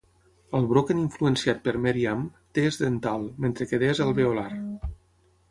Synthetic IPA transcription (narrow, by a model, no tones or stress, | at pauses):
əlˠβɾokeniɱfluensiat̪̚pəɾmeɾiamt̪eːzðent̪alˠment̪ɾekeðezəlˠβeolaɾ